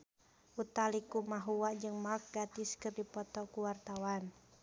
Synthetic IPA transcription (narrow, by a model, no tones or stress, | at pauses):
ʔut̪alikumaɦuwad͡ʒɨŋmalk̚ɡat̪iskɨrdipɔt̪ɔkuwart̪awan